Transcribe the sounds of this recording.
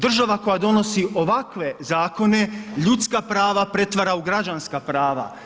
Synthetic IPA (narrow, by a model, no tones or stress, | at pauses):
d̪r̩ʒaʋako̞jad̪o̞no̞siʔo̞ʋakʋe̞zaːko̞ne̞ʎut̪skapɾaːʋapɾe̞t̪ʋaɾauɡɾad͡ʒanskapɾaːʋa̰